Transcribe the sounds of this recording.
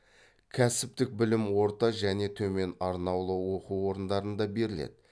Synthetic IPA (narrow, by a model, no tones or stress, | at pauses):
kʲʰæsɪp̚t̪ɪk̚bɪlɪmwo̞ɾt̪ɑʒæne̞t̪ʰɵme̞nɑɾnɑwlˠəwo̞quwwo̞ɾənd̪ɑɾənd̪ɑbe̞ɾɪlḛd̪ɪ